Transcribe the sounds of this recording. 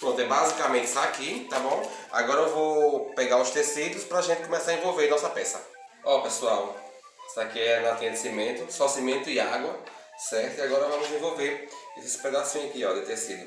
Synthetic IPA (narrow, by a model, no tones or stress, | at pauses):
põt̪ɛbazikamẽnt̪ɪ̥sakit̪abõw̃a̰ɡɔɾɐewvowpɛɡaɾʊst̪esid̪ʊspɾɐaʒẽnt̪ɪ̥kõmɛsaɾɐẽvowveɾnɔsɐpɛsɐ | ɔpesuaw | sakiɛnat̪ẽd̪ɪsimẽnt̪ʊsosimẽnt̪ʊɪaɡwɐ | sɛɾt̪ʊiaɡɔɾɐvɐ̃mʊzẽvowveɾesɪ̥ped̪asĩɐkiɔd̪ɪt̪esid̪ʊ